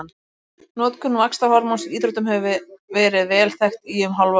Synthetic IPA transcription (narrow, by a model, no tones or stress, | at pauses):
n | nɔːt̪kʰʏnːuakst̪ahɔɾmɔnsiiːt̪ɾɔht̪ʏmhɛvvɪvɛːɾɪðvɛːlθɛxt̪ijɛmɦawlva